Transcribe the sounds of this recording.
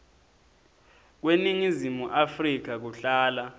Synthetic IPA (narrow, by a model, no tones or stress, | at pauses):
k̬weniŋizimuʔafrik̬ak̬uɬaːla